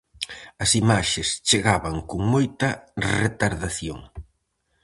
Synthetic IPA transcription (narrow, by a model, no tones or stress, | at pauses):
ɐsimaʃest͡ʃeɣaβɐŋkoŋmojt̪ɐret̪aɾðaθjo̰ŋ